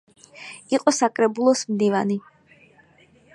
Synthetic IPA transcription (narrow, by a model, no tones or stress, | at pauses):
iqʼɔsakʼɾɛbulˠɔsmd̪ivani